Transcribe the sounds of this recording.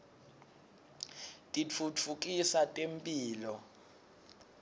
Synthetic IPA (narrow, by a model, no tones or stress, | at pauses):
tʼit͡fʰut͡fʰuk̬ʼisatʼempʼiːlɔ